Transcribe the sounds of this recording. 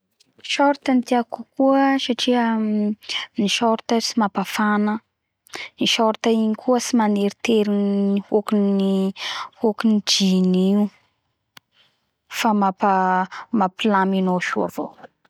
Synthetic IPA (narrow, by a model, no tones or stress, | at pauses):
ʃɔɾt̪ənt̪iakukuəsaʈ͡ʂiə | niʃoɾt̪əsimapafanə | niʃoɾt̪aiɲikʰuəsimaneɾit̪eɾinihokinihokinid͡ʒiniu | famapamapilaminoʃua̰v̥o